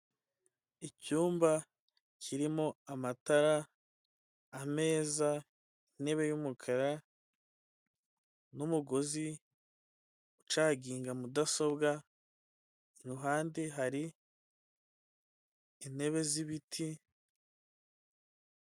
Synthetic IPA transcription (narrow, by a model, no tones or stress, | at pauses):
icuːmba | cʰiɾimo̞amataɾa | me̞ːza | ine̞βe̞jumukʰaɾa | numuɡo̞zi | ut͡ʃaːɡiːŋɡamudaso̞bɡa | inuɦaːndeɦaɾi | ne̞βe̞ziβitʰi